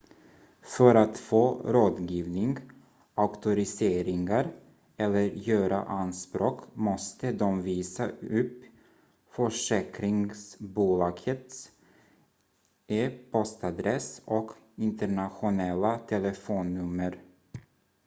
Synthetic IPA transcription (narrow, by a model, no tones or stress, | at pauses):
fœɾat̪foːɾoːd̪ɡiːvnɪŋɡ | ʔaʊkt̪ʊɾɪseːɾɪŋaɾ | ɛlːəɾjøːɾa̰ʔanspɾoːkmɔst̪əd̪ɔmviːsaɵpː | fœʂɛːkɾɪŋsbuːlɑːɡ̥ət̪s | eːpʰɔst̪ad̪ɾɛsɔk | ɪnt̪əɳaɧʊnɛlːat̪ʰɛləfoːnːɵmːəɾ